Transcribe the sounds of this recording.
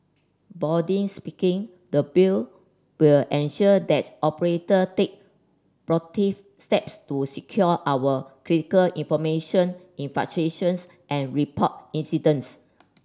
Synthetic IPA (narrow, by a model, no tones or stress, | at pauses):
bɔdĩŋspikĩŋ | dəbil | wilɛ̃nʃɔədɛt̚ʔɔpəɹetətek̚ | pɹɔtif | stɛpstusikʰjɔʔawəkɹitikəlĩnfɔmeʃɔ̃n | ĩnfa̰k̚t͡ʃɹeʃə̃ns | ʔɛ̃nɹipʰɔt̚ĩnsidə̃ns